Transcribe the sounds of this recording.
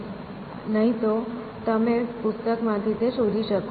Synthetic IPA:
nəɦĩt̪o | t̪əmepʊst̪əkmãt̪ʰit̪eʃoɾʱiʃək

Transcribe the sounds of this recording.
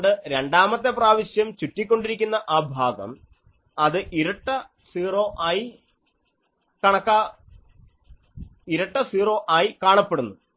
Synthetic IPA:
ɖɨɾe̞ɳɖaːmɐt̪ːep̬raːʋɐɕjɐmt͡ɕutːikʲːo̞ɳɖiɾikʲːunːɐʔaːbʱaːɡɐ̰m | ɐðɨʔiɾɐʈːɐ | siːro̞ːʔaːji | kɐɳɐkːa | iɾɐʈːɐsiːro̞ːʔaːjikaːɳɐpːe̞ɽunːu

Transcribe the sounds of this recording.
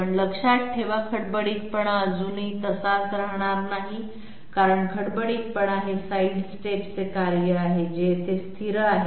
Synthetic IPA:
əɳləkʂat̪̚ʈʰeʋakʰəɽbəɽiːk̚pəɳəd͡zunit̪əsasɾəɦɳ̃aɾnaɦi | kaɾəɳkʰəɽbəɽiːk̚pəɳaɦesaiɖsʈeʈt͡sekaɾjəaɦed͡ʑet̪est̪ʰiɾəaɦe

